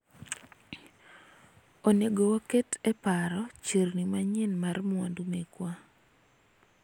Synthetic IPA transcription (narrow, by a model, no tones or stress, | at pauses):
oneɡowoketɛpaɾɔt͡ʃernimaɲɪnmarmʊandumekwa